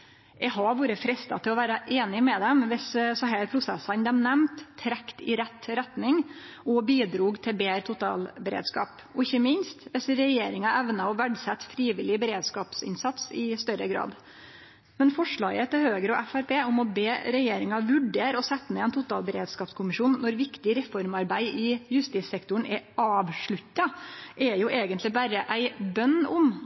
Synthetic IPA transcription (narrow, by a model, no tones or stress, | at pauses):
ɛɦɑʋuːɾəfɾɛst̪ɑ̰t̪ʰɪlɔʋæːɾɑʔeːnɪmɛd̪ɛmʋɛssɔɦæːɾpʰɾʊsɛsɑnd̪ɛmnɛmt̪ʰːɾɛkt̪ɪ̰ɾɛt̪ːɾɛt̪nɪŋɔbiːd̪ɾuːɡt̪ʰɪlbeːɾt̪ʰʊt̪ɑ̰ːlbɛɾḛːd̪skɑ̰ːp | ɔɪçːəmɪnst̪ʋɛsɾɛjeːɾɪŋɑʔæʋnɑɔʋæɖsɛt̪ːfɾiːʋɪlɪbəɾeːd̪skɑːpsɪ̰nsɑt̪sɪst̪œɾəɡɾɑ̰ːd̪ | mɛnfɔʂɭɑːɡət̪ʰɪlhøːɡəɾɔʔæfæɾpʰeːʊmɔbeːɾɛjeːɾɪŋɑʋʉɖeːɾɔsɛt̪ːəmɛɛːnt̪ʰʊt̪ɑːlbəɾḛːd̪skɑːpskʰʊmɪʂuːnːɔɾʋɪkt̪ɪɾɛfɔɾmɑɾbæɪɪjʉst̪iːt̪sɛkt̪ʊəɳ̩ɛʔɑːʋʂɭʉt̪ːɑʔɛjʊʔeːɡənt̪lɪbæːɾəʔæɪbœnʊm